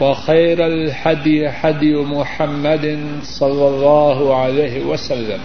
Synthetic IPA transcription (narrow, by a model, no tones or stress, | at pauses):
waxajɾalhad̪jɪħad̪jmʊħamːad̪ | sˤɑlːɑlˤːɑːɦʊʕalajhɪwasalːam